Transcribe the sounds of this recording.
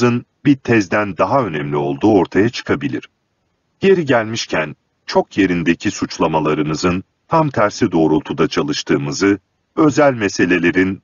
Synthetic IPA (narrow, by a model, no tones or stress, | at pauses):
ɯnbit̪ʰɛzd̪ænd̪aɦaø̞nɛmlʲio̞lˠd̪uːo̞ɾt̪ʰajat͡ʃʰɯ̥kʰabilʲiɾ̥ | je̞ɾiɟælʲmiʃcʰæn | t͡ʃʰo̞kʰje̞ɾind̪e̞cʰisut͡ʃlˠamalˠaɾɯnɯzɯn | t̪ʰamt̪ʰæɾsid̪o̞ːɾulˠt̪ʰud̪at͡ʃʰalˠɯʃt̪ʰɯːmɯzɯ | ø̞zælʲmese̞lʲe̞lʲe̞ɾin